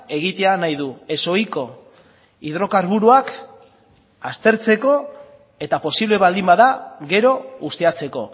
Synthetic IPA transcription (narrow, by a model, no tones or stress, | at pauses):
e̞ɣ̞it̪e̞anajðue̞so̞jko̞ | iðɾo̞kaɾβuɾuak | ast̪e̞ɾt͡se̞ko̞ | e̞t̪apo̞siβle̞βald̪imbaðaɣe̞ɾo̞ɣust̪e̞at͡se̞ko̞̰